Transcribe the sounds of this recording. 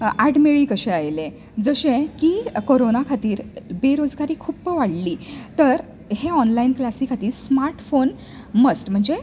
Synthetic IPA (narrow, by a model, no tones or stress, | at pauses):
aɽmeɭiːkəɕẽajlẽ | d͡zəɕẽkikoɾonakʰat̪iːɾbeɾod͡zɡaɾiːkʰuːpʋaɽliːt̪əɾ | ɦeɔnlainklasikʰat̪iːɾsmaɾʈfon | məsʈm̤əɳd͡ze